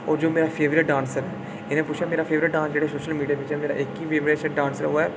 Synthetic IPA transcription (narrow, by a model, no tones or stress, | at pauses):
ɔːɾd͡ʒoːmeːɾapʰeːʋɾɪʈ̚ɖãːnsəɾɦɛː | ɪnẽpʊːt͡ʃʰɛːmeːɾaːpʰeːʋɾɪʈ̚ɖãːnsd͡ʒeːɽeːsoːʃəlmiːɖijaːʋɪt͡ʃɦɛːmeːɾa̰ːʔɪkiʋʰeːʋɾeːʃəɖãːnsəɾoːɛː